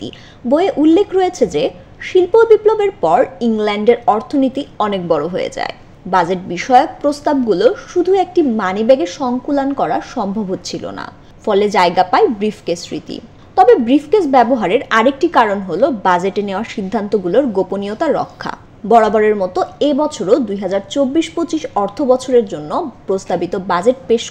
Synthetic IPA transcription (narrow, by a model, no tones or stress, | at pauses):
t̪ḭ | bojeʔulːekʰɾojet͡ɕʰed͡ʑe | ʃilpobiplobeɾpɔɾiŋlɛɳɖeɾɔɾt̪ʰonit̪iɔnek̚bɔɽoɦojḛd͡ʑa̰e | bad͡ʑeʈ̚biʃɔeok̚pɾost̪ab̚ɡuloʃud̪ʱuek̚ʈimanibeɡeʃɔŋkulankɔɾaɾʃɔmbʱobʱot̪t͡ɕʰilo̰na̰ | fɔled͡ʑaeɡapaebɾifʰkesɾḭt̪ḭ | t̪ɔbebɾifʰkesbɛboɦaɾeɾaɾek̚ʈikaɾonɦolobad͡ʑeʈeneoaɾʃid̪ʱːant̪oɡuloɾɡoponijot̪aɾɔ̰kʰːa̰ | bɔɽabɔɾeɾmɔt̪oebɔt͡ɕʰoɾod̪ujɦad͡ʑaɾt͡ɕobːiʃpot͡ɕiʃɔɾt̪ʰobɔt͡ɕʰoɾeɾd͡ʑonːopɾost̪abit̪obad͡ʑeʈ̚peʃ